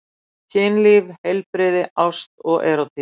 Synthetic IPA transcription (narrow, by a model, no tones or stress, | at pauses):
cʰɪːnlɪvhejlpɾɪːðɪʔawst̪ɔɣʔɛɾawt̪ʰɪ